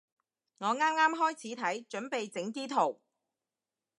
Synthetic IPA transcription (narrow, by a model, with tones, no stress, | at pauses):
ŋɔː˨˧ŋaː˥mŋaː˥mɦɔː˥jt͡sʰiː˨˥t̪ʰɐ˨˥jt͡ʃɵ˨˥npe˨jt͡sɪ˨˥ŋt̪iː˥t̪ʰo˨˩w